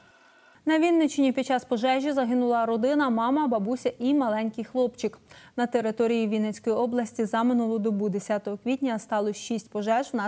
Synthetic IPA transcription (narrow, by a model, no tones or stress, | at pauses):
nɐʋʲinːɪt͡ʃenʲipʲid̪̚t͡ʃɑspɔʒɛʒʲizɐɦɪnʊlˠɐɾɔd̪ɪnɐmɑmɐbɐbusʲɐʔimɐlˠɛnʲkɪjxlˠɔpt͡ʃɪknɐt̪e̞ɾɪt̪ɔɾʲijiʋʲijnɛt͡sʲkɔjiɔblˠɐsʲtʲizɑmɪnʊlˠɔd̪ɔbud̪esʲat̪ɔɦɔkʋʲitʲnʲɐst̪ɑlˠɔʃisʲtʲpɔʒɛʒwnɑ